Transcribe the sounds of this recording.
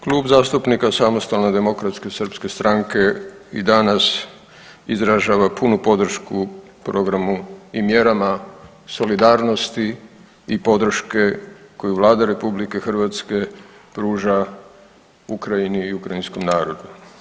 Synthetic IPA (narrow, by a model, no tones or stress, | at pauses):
kluːbzaːst̪upnikasamost̪alne̞d̪e̞mo̞kɾat̪ske̞sərpske̞st̪ɾʔaŋke̞id̪anas | izɾaʒaːʋapunupo̞d̪r̩ʃku | pɾo̞ɡɾamuimje̞ɾama | so̞lid̪aːɾno̞st̪i | ipo̞d̪ɾ̩ʃke̞ko̞juʋlˠaːd̪aɾe̞publikexrʋat̪ske̞pɾuːʒa | ukɾajiniːukɾainsko̞mnaːɾo̞d̪u